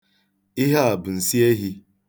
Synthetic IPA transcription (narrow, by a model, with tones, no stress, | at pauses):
ɪ˦ɦa˦a˨bʊ˨n̩˨si˦e˦ɦi˦